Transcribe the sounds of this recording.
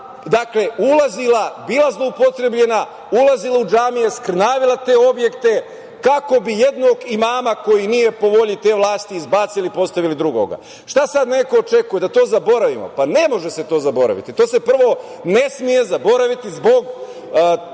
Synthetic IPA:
d̪akle̞ulazilˠabiːlazlˠo̞upo̞t̪ɾe̞bʎe̞na | ulazilˠaud͡ʒaːmijeskrnaːʋilˠat̪e̞ːo̞bje̞kt̪e̞ | kako̞bije̞d̪no̞ːɡimaːmako̞jinije̞po̞ʋo̞ʎit̪e̞ːʋlˠaːst̪iːzbaːt̪silipo̞st̪aʋilid̪ɾuɡo̞̰ɡa̰ | ʃt̪asad̪ne̞koːt͡ʃe̞kuje̞d̪at̪o̞ːzabo̞ɾaʋimo̰pane̞mo̞ʒese̞t̪o̞ːzabo̞ɾa̰ʋḭt̪it̪o̞ːse̞pr̩ʋo̞ | ne̞smije̞zabo̞ɾaʋit̪izbo̞ɡ

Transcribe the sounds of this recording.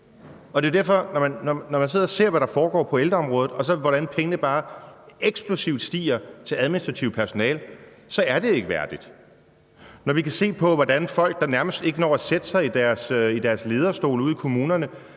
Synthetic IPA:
ɒ̽d̥e̝o̝d̥æɐfɒ̽nɒmænːɒːɒmæns̬e̝ð̰ˠɐse̝ɐ̰ʋæɾ̥ɑ̈fɒːɡ̥ɒ̰ːpʰɒ̽eld̥ɐɒ̽mʁɔ̽ːð̩ˠɒ̽sɒ̽ʋɒɾ̥ænpʰeŋənəb̥ɑ̈ːeɡ̥sb̥lusiʊ̰d̥sd̥ḭːɐt͡sʰe̝læðˠminisd̥ʁɑ̈t͡sʰiʊpʰæɐso̝nɛ̰ːl | sɒ̽æɐd̥e̝e̝ɡ̥əʋæɐd̥id̥ | nɒʋikʰæse̝̰ːpʰɒ̽ʋɒd̥ænfɒ̽l̰ɡ̥̚d̥ɑ̈næɐməsd̥e̝ɡ̥ənɒ̰ːæsed̥əsɑ̈ɪid̥æɐsid̥æɐsle̝ːð̞ˠɐsd̥o̝̰ːluð̰ˠikʰo̝muːnɐnə

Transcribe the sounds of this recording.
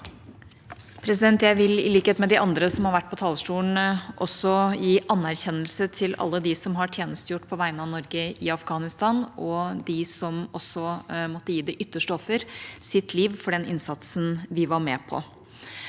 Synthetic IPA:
pʰɾɛs̬ɪd̪ɛnt̪jæɪʋɪlɪ̰liːkheːt̪mɛd̪ɪʔɑnd̪ɾəsɔmhɑɾʋæʈ̚ːpʰɔt̪ʰɑːləsʈuːn̩ʔɔsɔjiːʔɑnːæɾçɛnːəlsət̪ʰɪlɑ̰lːəd̪ɪsɔmɦɑʈʰjeːnəst̪əjʊʈːpʰɔʋæɪənəɑʋnɔɾɡəɪɑfɡɑːnɪst̪ɑnɔd̪ɪsɔmɔsːɔmɔt̪ːəjiːd̪ɛʔʏt̪ːəʂʈəɔfəɾsɪt̪ʰliːʋfɔɖɛnɪ̰nsɑt̪snʋɪʋɑɾmɛːpʰɔ̰

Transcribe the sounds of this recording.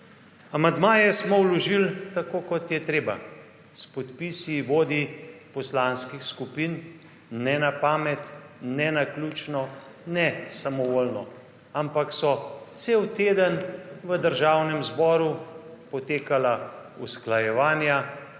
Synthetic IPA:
amand̪maːjɛsmɔwlɔʒilt̪akoːkɔt̪jɛt̪ɾeːba̰ | spɔt̪pisiʋoːd̪ipɔslanskixskupin | nɛnapaːmɛt̪ | nɛnaklut͡ʃnɔ | nɛsamɔʋolnɔ | ampaksɔt̪sewt̪eːd̪ənʋəd̪əɾʒawnɛmzbɔːɾupɔt̪eːkalausklajɛʋaːnja

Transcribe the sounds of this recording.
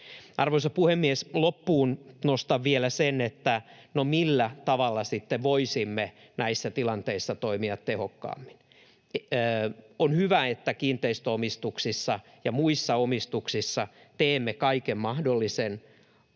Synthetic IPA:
ɑrʋoisɑpuhemːieslopːuːnnost̪ɑʋʋielæsenet̪ːænomilːæt̪ɑʋɑlːɑsit̪ːeʋʋoisimːe | næisːæt̪ilɑnt̪eisːɑt̪oimiɑt̪tehokːɑ̰ːmːinː | onhyʋæet̪ːækiːnt̪eist̪øomist̪uksisːɑ | jɑmuisːɑomist̪uksisːɑ | t̪eːmːekɑikemmɑhdolːisen

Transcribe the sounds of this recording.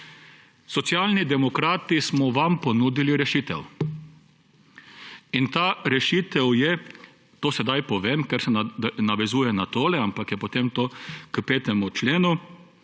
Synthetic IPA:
sɔt̪sjaːlnid̪ɛmɔkɾaːt̪ismɔʋampɔnuːd̪iliɾɛʃiːt̪ɛw | int̪aːɾɛʃiːt̪ɛwjɛ | t̪oːsɛd̪ajpɔʋeːmkɛɾsɛnaʋɛzuːjɛnat̪oːlɛampakjɛpɔt̪emt̪oːkəpeːt̪ɛmut͡ʃleːnu

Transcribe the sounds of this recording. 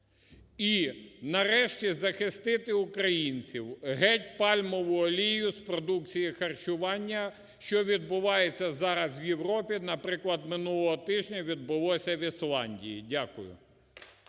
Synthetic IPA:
inɐɾɛʃtʲizɐxɪst̪ɪt̪ɪʊkɾɐjinʲt͡sʲiwɦɛtʲpɑlʲmɔʋʊɔlʲijʊspɾɔd̪ukt͡sʲijixɐrt͡ʃʊʋɑnʲːɐ | ʃt͡ʃɔʋʲid̪̚bʊʋɑjet͡sʲːɐzɑɾɐzwjewɾɔpʲinɐpɾɪklˠɐd̪mɪnulˠɔɦɔt̪ɪʒʲnʲɐʋʲid̪bʊlˠɔsʲɐʋʲislˠɑnʲdʲḭjḭdʲakʊjʊ̰

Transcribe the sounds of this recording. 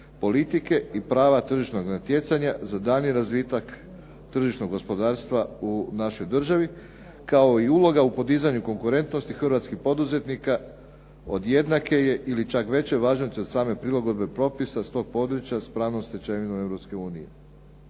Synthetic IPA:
po̞lit̪ike̞ipɾaːʋat̪r̩ʒiʃno̞ɡnat̪je̞t̪saɲazad̪aniɾazʋit̪ak | t̪r̩ʒiʃno̞ɡo̞spo̞d̪aːɾst̪ʋaunaʃo̞jd̪r̩ʒaʋi | kao̞iulo̞ɡaupo̞d̪iːzaɲuko̞ŋkuɾe̞nt̪no̞st̪ixr̩ʋat̪skixpo̞d̪uze̞t̪nika | o̞d̪je̞d̪nake̞je̞ʔilit͡ʃakʋe̞t͡ɕeʋaːʒnost̪iod̪saːme̞pɾilˠaɡo̞d̪̚be̞pɾo̞pisast̪o̞ɡ̚po̞d̪ɾut͡ɕjaspɾaːʋnomst̪et͡ʃeʋinome̞vɾo̞pske̞uːnije̞

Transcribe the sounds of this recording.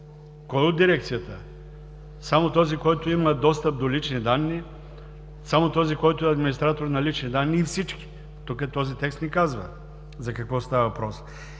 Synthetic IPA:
kɔɛod̪ːiɾɛk̚t̪sijɐt̪ə | samot̪ɔzikɔjt̪oimɐd̪ɔst̪əp̚d̪olit͡ʃnid̪anːi | samot̪ɔzikɔjt̪ʊɛɐd̪minist̪ɾat̪oɾnɐlit͡ʃnid̪anːiːfsit͡ʃki̥ | t̪ukət̪ɔzit̪ɛkst̪nɛkazvɐ̰ | zɐkɐkvɔst̪avɐvɐpɾɔs

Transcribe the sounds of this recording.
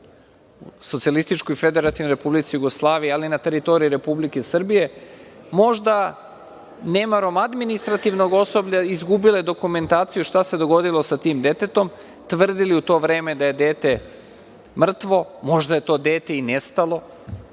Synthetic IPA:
ṵso̞t̪sialist̪it͡ʃkoife̞d̪eɾat̪inoɾe̞publit̪sijuɡoslˠaːʋijealinat̪e̞ɾit̪o̞ɾiiɾe̞publikesr̩bije̞mo̞ʒd̪a | nemaɾo̞mad̪minist̪ɾat̪iʋno̞ɡo̞so̞bʎʲaizɡubiled̪o̞kume̞nt̪aːt̪sijuʃt̪ase̞d̪o̞ɡo̞d̪ilˠo̞sat̪iːmd̪e̞t̪e̞t̪o̞m | t̪ʋr̩d̪iliut̪o̞ːʋɾe̞ːme̞d̪aje̞d̪e̞ːt̪e̞ | mr̩t̪ʋo̞mo̞ʒd̪aje̞t̪o̞ːd̪e̞ːt̪e̞inest̪alˠo̞

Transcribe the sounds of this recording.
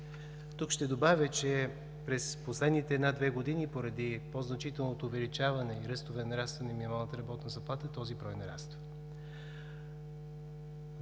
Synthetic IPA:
t̪ukʃt̪ɛd̪obavʲət͡ʃɛ | pɾɛsposlɛd̪nit̪ɛːd̪nad̪vɛɡod̪inipoɾɐd̪ipoznɐt͡ʃit̪ɛlˠnot̪oːvɛlit͡ʃavɐnɛiɾɤst̪ovɛnnɐɾast̪vənɛminimalˠnət̪əɾɐbɔt̪nəzɐplˠat̪ət̪ɔzibɾɔjnɐɾa̰st̪və

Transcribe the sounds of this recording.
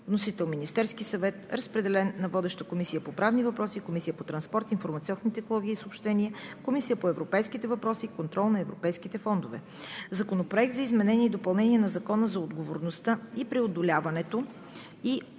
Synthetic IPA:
vnosit̪ɛlˠminist̪ɛɾskisɐvɛt̪ɾəspɾɛd̪ɛlɛnːɐvɔd̪ɛʃt̪əkomisijəpopɾavnivɐpɾɔsikomisijəpot̪ɾɐnspɔɾt̪infoɾmɐt̪siɔnnit̪ɛxnolˠɔɡʲiːsopʃt̪ɛniəkomisijəpoɛvɾopɛjskit̪ɛvɐpɾɔsikont̪ɾɔlˠnɐɛvɾo̰pɛjskit̪ɛfɔnd̪ovɛ̰ | zɐkonopɾoɛk̚t̪zɐizmɛnɛniəid̪opɐlˠnɛniɛnɐzɐkɔnəzɐod̪ɡovoɾnost̪əipɾiod̪olʲavɐnɛt̪o | i

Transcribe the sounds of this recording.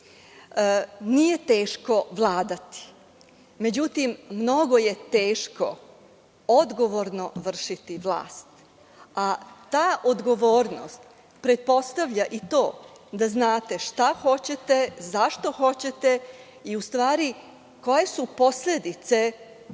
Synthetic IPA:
nije̞t̪e̞ːʃko̞ʋlˠaːd̪at̪i̥ | me̞d͡ʑut̪imːno̞ɡo̞je̞t̪eːʃko̞̰ | od̪ɡo̞ʋo̞ɾno̞ʋr̩ʃit̪iʋlˠa̰ːst̪ | at̪aːʔo̞d̪ɡo̞ʋoːɾno̰st̪ | pɾe̞t̪̚po̞st̪aʋʎaʔit̪o̞ːd̪aznaːt̪e̞ʃt̪axo̞t͡ɕe̞t̪e̞zaʃt̪o̞xo̞t͡ɕe̞t̪e̞ | iust̪ʋaːɾi | ko̞je̞supo̞sle̞d̪it̪se̞

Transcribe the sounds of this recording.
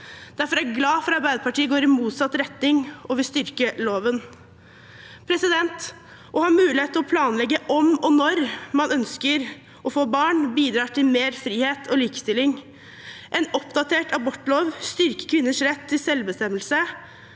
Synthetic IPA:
d̪̥æɾfɔɾæɾɡlɑːfɔɾɑɾbæɪd̪əpɑʈiːəɡoːɾɪmuːt̪sɑt̪ːɾɛt̪nɪŋɔʋɪst̪ʏɾkəloːʋən | pʰɾɛsɪd̪ɛnt̪ | ʔɔhɑːmʉːlɪheːt̪ːəɔpʰlɑːnlɛɡːəʔɔmɔnɔɾmɑnœnskəɾ | ɔfoːbɑːɳbiːd̪ɾɑːʈʰɪlmeːɾfɾiːheːt̪ʰɔliːkə̥st̪ɪlːɪŋ | ʔɛnɔpd̪ɑt̪ʰeːʈɑbɔʈːloːʋst̪ʏɾkə̥kʰʋɪnːəʂɾɛt̪ʰːɪlsɛlbəst̪ɛmːəlsə

